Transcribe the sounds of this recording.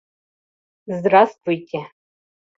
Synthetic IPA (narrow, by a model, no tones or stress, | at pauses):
zdrastʼvujtʲʼɪ